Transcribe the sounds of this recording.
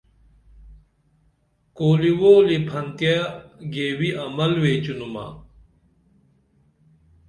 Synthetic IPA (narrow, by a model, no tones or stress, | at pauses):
koːliwoːlipʰɐnt̪jaɡeːwiʔɐmɐlweːt͡ɕunuma̰